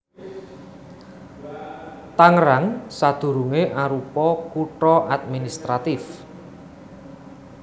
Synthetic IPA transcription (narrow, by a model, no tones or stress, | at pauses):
t̪aŋɾaŋsad̪̥ṳɾuŋeʔaɾupɔkuʈɾɔʔad̪̚minist̪ɾat̪ɪf